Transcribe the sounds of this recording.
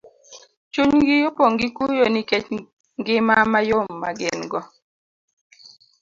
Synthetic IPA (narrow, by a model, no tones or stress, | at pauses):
t͡ʃuɲɡɪjopɔŋɡɪkujɔniket͡ʃ | ŋɡɪmamajomːaɡɪnɡɔ